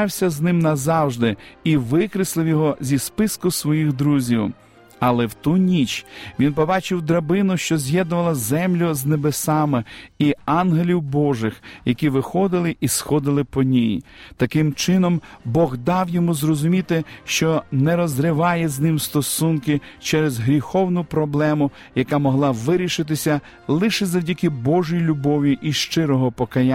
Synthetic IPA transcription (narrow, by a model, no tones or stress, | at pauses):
wsʲɐznɪmnɐzɑwʒd̪ɪiʋɪkɾɪslˠɪwjɔɦɔzʲispɪskʊsʋɔjixd̪ɾuzʲiw | ɐlˠɛwt̪unʲit͡ʃʋʲinpɔbɑt͡ʃɪwd̪ɾɐbɪnʊʃt͡ʃɔzʲjɛd̪̚nʊʋɐlˠɐzɛmlʲʊznebesɑmɪiɑnɦelʲiwbɔʒɪxjɐkʲiʋɪxɔd̪ɪlˠɪʔisxɔd̪ɪlˠɪpɔnʲijt̪ɐkɪmt͡ʃɪnɔmbɔɣd̪ɑwjɔmuzrɔzʊmʲit̪ɪʃt͡ʃɔnɛɾɔzɾɪʋɑjɛznɪmst̪ɔsunkɪt͡ʃɛɾɛzɦɾʲixɔwnʊpɾɔblˠɛmʊ | jɐkɑmɔɦlˠɑʋɪɾʲiʃɪt̪̬ɪsʲɐ | lˠɪʃɛzɐwdʲikɪbɔʒʊjilʲʊbɔʋʲiʔiʃt͡ʃɪɾɔɦɔpɔkɐja